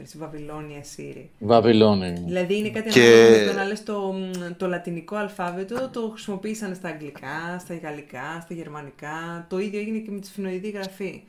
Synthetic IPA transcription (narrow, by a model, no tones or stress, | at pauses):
svɐvilo̞niɐsḭɾḭvɐvilonðilɐðiine̞kɐt̪ieɐt̪onɐlest̪o̞t̪o̞lɐt̪iniko̞ɐlfɐve̞t̪o̞t̪o̞xɾisimo̞piisɐnst̪ɐːŋɡlikʰɐst̪ɐɣɐlikɐst̪ɐʝe̞ɾmɐnikɐt̪o̞iðʝo̞eʝinecemet̪i̥sfino̞iðiɣɾɐfi